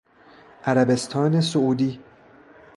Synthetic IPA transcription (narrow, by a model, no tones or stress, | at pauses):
ʔæɾæbe̞st̪ʰɒːnesouːd̪iː